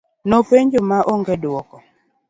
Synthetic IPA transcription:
nɔpeɲd͡ʒomaʔoŋɡɛdwɔkɔ

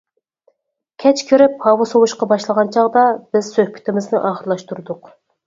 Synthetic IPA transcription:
kʲʰɛt͡ʃkʲʰyɾɪphɑwɑsowuʃqɑbɑʃlˠəʁɑnt͡ʃʰɑʁd̪ɑb̥ɪz̥søhpʰy̥t̪ɪmɪznɪʔɑːχəɾlˠɑʃt̪uɾd̪ʊq

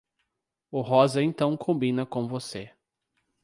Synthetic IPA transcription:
ʊɦɔzɐẽnt̪ɐ̃w̃kʰõbĩnɐkõvose

